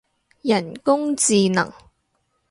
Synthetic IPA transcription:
jɐ˨˩nkʊ˥ŋt͡siː˧nɐ̰˨˩ŋ

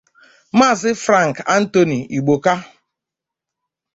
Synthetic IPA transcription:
m̩˦a˦˨zɪ˦fɾa˦˨ŋ̩˨ka˦n̩˦to˨ni˨i˨ɡ͡bo˨ka˦

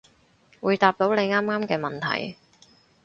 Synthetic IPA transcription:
wuː˨˧jt̪aː˧p̚t̪o˨˥wne˨˧jŋaː˥mŋaː˥mkɛː˧mɐ˨nt̪ʰɐ̰˨˩j

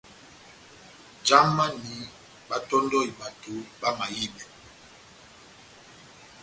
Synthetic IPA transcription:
d͡ʒa˦mːa˦ni˨˦ | ɓa˦tɔ˦ndɔ˦i˨ɓa˨tu˨˦ɓa˦ma˨ji˦ɓɛ˨

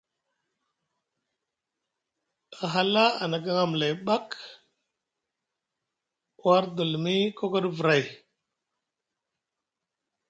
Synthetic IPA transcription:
a˨ɦa˦la˦a˨na˨k̬a˦ŋa˦m˨la˨jɓa˦k | wa˦ɾdu˨lmi˦ko˦ko˦ɗvu˨ɾa˨j

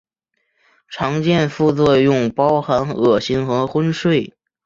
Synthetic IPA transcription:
ʈ͡ʂʰɑ˧˥ŋt͡ɕjɛ˥˧nfu˥˧t͡swɔ˥˧jʊ˥˩ŋpɑ˥ʊxa˧˥nɤ˨˩ɕi˧˥ŋxɤ˧˥xwə˥nʂwe˥˩ɪ

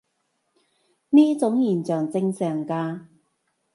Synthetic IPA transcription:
niː˥t͡sʊ˨˥ŋjiː˨˩nt͡sœː˨˩ŋt͡sɪ˧ŋsœː˨˩ŋkaː˧

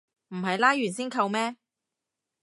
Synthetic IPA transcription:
m̩˨˩ɦɐ˨jlaː˥jɥyː˨˩nsiː˥nkʰɐ˧wmɛː˥

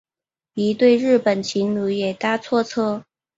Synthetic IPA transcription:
i˧˥t̪we˥˧ɪɻɻ̩˥˩pə˨˩nt͡ɕʰi˧˥ŋnu˧˥jɛ˨˩t̪a˥t͡sʰwɔ˥˧t͡sʰɤ˥

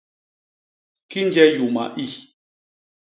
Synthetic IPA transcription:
ki˦n˦d͡ʒɛ˦ju˨ma̰˨ʔi˦˨

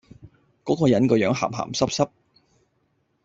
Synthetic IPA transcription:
kɔː˨˥kɔː˧jɐ˨˥nkɔː˧jœː˨˥ŋɦa̰ː˨˩mɦa̰ː˨˩msɐ˥p̚sɐ˥p̚

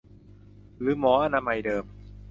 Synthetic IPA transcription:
ɾɯː˨˩˦mɔː˩˦ʔa˧naː˧ma˧jdɤː˧m

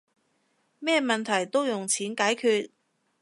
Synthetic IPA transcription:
mɛː˥˧mɐ˨nt̪ʰɐ˨˩jt̪o˥wjʊ˨ŋt͡sʰiː˨˥nkaː˨˥jkʰyː˧t̚

